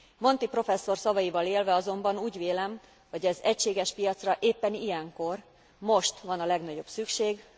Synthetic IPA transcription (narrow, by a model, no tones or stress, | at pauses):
mo̞nt̪ipro̞fɛsːo̞rsɒvɒjivɒleːlvɛɒzo̞mbɒnuːɟveːlɛm | hɒɟɛzɛcʃeːɡɛʃpijɒt̪srɒʔeːpːɛnijɛŋko̞r | mo̞ʃt̪ʋɒnɒlɛɡnɒɟo̞bsykʃeːɡ